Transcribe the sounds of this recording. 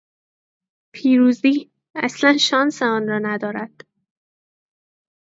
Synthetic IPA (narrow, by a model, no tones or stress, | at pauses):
pʰiːɾuːzd̪iː | æ̰slænʃɒːnseɒːnɾɒːnæd̪ɒːɾæd̪̥